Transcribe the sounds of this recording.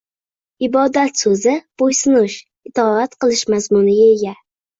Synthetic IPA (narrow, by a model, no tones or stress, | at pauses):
ɪbɒd̪at̪sɵzɪb̥ojsʊnʊʃ | ɪt̪ʰɒat̪qɨlˠɪʃmazmʊnɪɡʲaeɡʲa